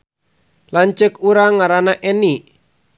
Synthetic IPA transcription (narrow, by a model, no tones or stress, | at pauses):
laɲt͡ʃəkuɾaŋaɾanaʔeni